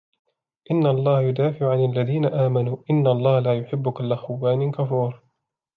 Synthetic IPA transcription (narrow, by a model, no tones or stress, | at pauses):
ʔɪnːaɑlˤːɑːhjʊd̪aːfɪʕʊʕanalːaðiːnaʔaːmanuːʔɪnːaʔɑlˤːɑːhlaːjʊħɪbːʊkʊlːaxʊwːaːnɪkafuːɾ